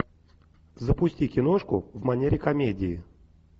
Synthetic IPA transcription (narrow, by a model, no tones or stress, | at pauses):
zəpʊsʲtʲikʲɪnoʂkʊ̰vmɐnʲeɾʲɪkɐmʲedʲɪɪ